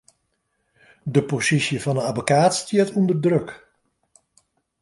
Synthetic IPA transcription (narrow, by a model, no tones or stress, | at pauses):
dəposisjəvɑnənabokaːtstjətʰundərdrøk